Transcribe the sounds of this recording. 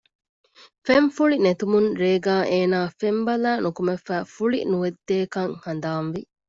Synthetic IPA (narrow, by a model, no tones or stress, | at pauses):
femfuɭinet̪umunɾeːɡaːʔeːnaːfembɐlæːnukumefæːfuɭḭnuʋed̪ːeːkɐŋhɐn̆d̪aːnʋi